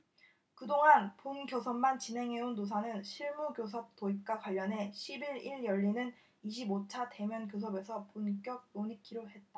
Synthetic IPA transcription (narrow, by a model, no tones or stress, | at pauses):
kɯdoŋɦanponɡjʌsʰʌmmːant͡ɕinɦe̞ŋɦe̞unːosʰanɯnɕʰiɭmuɡjos̬ʰʌp̚t͈oip̚k͈akwaʎːʌnɦe̞ɕʰibiɾiɭjʌʎːinɯn | iɕʰibot͡ɕʰate̞mjʌnɡjos̬ʰʌbe̞sʰʌpunk͈jʌk̚noɲikʰiɾoɦe̞t̚t͈a